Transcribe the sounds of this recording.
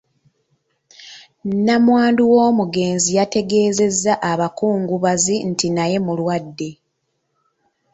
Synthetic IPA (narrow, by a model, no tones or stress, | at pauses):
namwaːnduwo̞ːmuɡe̞ːnzijate̞ɡe̞ːze̞zːaʔaβakuːŋɡuβazintinaje̞mulwadːe̞